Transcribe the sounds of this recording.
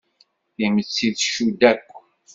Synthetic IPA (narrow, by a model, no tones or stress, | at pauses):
θimət͡sːiðʃud̪ækʷː